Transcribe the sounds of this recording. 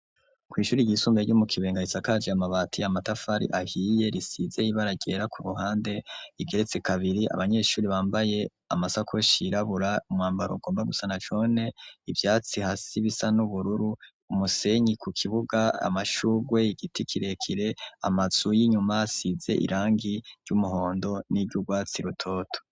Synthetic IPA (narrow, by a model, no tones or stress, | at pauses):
kwiːʃuːɾiɟisuːmbeɟumukʰiβe̞ːŋɡait͡sakad͡ʒeamaβaːtʰiamatafaɾḭʔahiːje̞ɾisize̞iβaɾaɟe̞ɾakʰuɾuɦaːnde̞iɡe̞ɾe̞t͡sekaβiɾiʔa̰βaɲe̞ːʃuːɾiβaːmbaje̞ | a̰masakʰoʃiɾaβuɾaumŋaːmbaɾoɡo̞ːmbaɡusanat͡ʃo̞ne̞ivjaːt͡sihasiβisanuβuɾuɾuː | muse̞ɲikukʰiβuɡaa̰maʃuɡwe̞iɡitikʰiɾe̞kʰiɾe̞a̰mazujiɲumasize̞̰ʔḭɾaːŋɡiɾɟumuɦo̞ːndo̞niɾɟuɡwaːt͡siɾutʰo̞ːtʰo̥